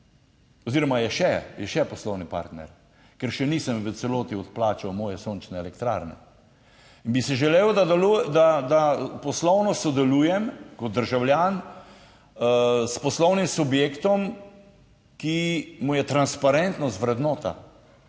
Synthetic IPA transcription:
ɔziːɾɔmajɛʃɛjɛʃɛpɔslɔwnipa̰ɾt̪nɛ̰ɾ | kɛɾʃɛnisəmʋət̪sɛloːt̪iɔt̪plaːt͡ʃawmɔːjɛsoːnt͡ʃnɛɛlɛkt̪ɾa̰ːɾnɛ̰ | inbisiʒɛleːwd̪ad̪ɛlud̪ad̪apɔslɔwnɔsɔd̪ɛluːjɛmkɔt̪̚d̪əɾʒawljaːn | spɔslɔwnimsubjekt̪ɔm | kimujɛt̪ɾanspaɾɛnt̪nɔst̪ʋɾɛd̪nɔːt̪a̰

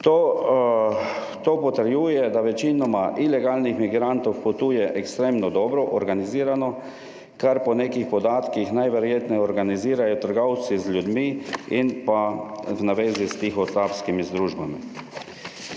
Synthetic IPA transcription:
t̪o | t̪oːpɔt̪əɾjuːjɛd̪aʋɛt͡ʃinɔmaʔilɛɡaːlnixmiɡɾant̪ɔwpɔt̪uːjɛʔɛkst̪ɾeːmnɔd̪ɔːbɾɔʔɔɾɡaniziːɾanɔ | kaɾpɔneːkixpɔd̪aːt̪kixnajʋɛɾjeːt̪nɛɔɾɡaniziːɾajɔt̪əɾɡɔw̪sizlʲjud̪miinpawnaʋeːzist̪ixɔst̪apskimizd̪ɾuːʒbamḭ

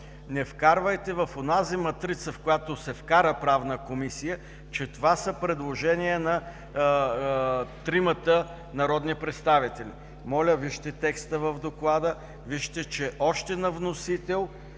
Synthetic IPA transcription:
nɛfkaɾvəjt̪ɛvɐfonazimɐt̪ɾit̪səfkojat̪osɛfkaɾəpɾavnəkomisijə | t͡ʃɛt̪ovasəpɾɛd̪lˠoʒɛniənɐ | t̪ɾimət̪ə | nɐɾɔd̪nipɾɛt̪st̪avit̪ɛlʲḭ | mɔlʲəviʃt̪ɛt̪ɛkst̪əvəvd̪oklˠad̪ə | viʃt̪ɛt͡ʃɛʔɔʃt̪ɛnɐvnosit̪ɛlˠ

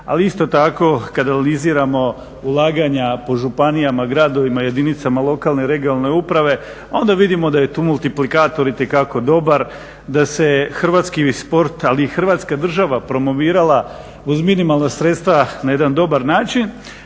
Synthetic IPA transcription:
aliist̪o̞t̪ako̞kad̪ananiziːɾamo̞ | ulˠaːɡaɲapo̞ʒupanijamaɡɾaːd̪o̞ʋimaje̞d̪init̪samalˠo̞kaːlne̞ɾe̞ɡionalˠne̞upɾaʋe̞ | o̞nd̪aʋid̪imo̞d̪aje̞t̪uːmulˠt̪iplikaːt̪o̞ɾit̪e̞kako̞d̪o̞baɾ | d̪ase̞xr̩ʋaːt̪skispo̞ɾt̪aliːxr̩ʋaːt̪skad̪r̩ʒaʋapɾo̞mo̞ʋiːɾalˠa | uzminimalˠnasɾet̪st̪ʋanaje̞d̪and̪o̞baɾnaːt͡ʃin

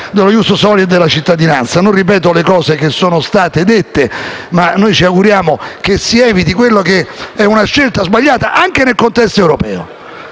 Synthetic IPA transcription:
d̪elojust̪osɔlid̪elːat͡ʃit̪ːad̪inant̪sanõnrip̬ɛːt̪̬olekɔːsek̟esːoːnost̪aːt̪ed̪et̪ːemanːojt͡ʃiaɡuɾjaːmok̟esːiɛːvit̪ikwelːokeɛunaʃːelt̪azbaʎːaːt̪aʔaŋkenelkont̪ɛst̪oewɾopɛːo̰

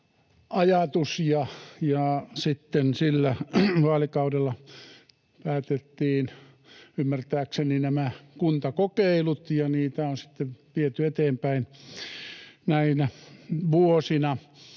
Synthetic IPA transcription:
ɑjɑt̪usjɑjɑsit̪ːensilːæʋɑːlikɑudelːɑ | pæːt̪et̪ːiːn | ymːært̪æːkseninæmækunt̪ɑkokeilut̪jɑniːt̪æonsi̥t̪ːeʋʋiet̪yet̪eːmpæin | næinæʋuosinɑ

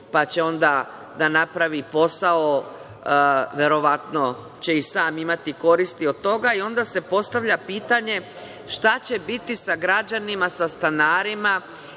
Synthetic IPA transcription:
pat͡ɕe̞o̞nd̪a | d̪anapɾaʋipo̞sao | ʋje̞ɾo̞ʋat̪no̞ | t͡ɕe̞isaːmimat̪iko̞ɾist̪io̞d̪̚t̪ːo̞ɡaio̞nd̪aːse̞po̞st̪aʋʎapiːt̪aɲe̞ | ʃt̪at͡ɕe̞bit̪isaɡɾad͡ʑanimasast̪anaːɾima

